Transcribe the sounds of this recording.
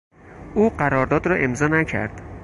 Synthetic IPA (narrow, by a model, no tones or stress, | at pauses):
ʔuːɢæɾɒːɾd̪ɒːd̪ɾɒʔe̞mzɒːnæcʰæ̰ɾd̪̥